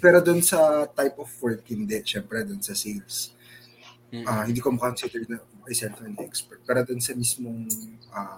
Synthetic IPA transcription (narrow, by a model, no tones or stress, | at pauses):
pɛːɾo̞d̪ʊnsɐt̪ajpʔɔfːɔɹd̪̚hɪnd̪ɛʔʃɛmpɾɛd̪ʊnsɐsejls | ʔaːhɪnd̪iːkomɐkɐkonsid̪ɛɹnɐɐjsɛnt̪ɐnʔɛkspɛɹt̪̚paːɾɐd̪ʊnsɐmismoŋʔa